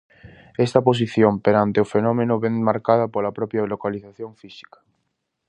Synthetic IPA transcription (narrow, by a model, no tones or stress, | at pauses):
est̪ɐpos̬iθjompeɾant̪eofenɔmenʊβeŋmaɾkaðɐpolapɾɔpjalokaliθaθjõɱfisi̥kḁ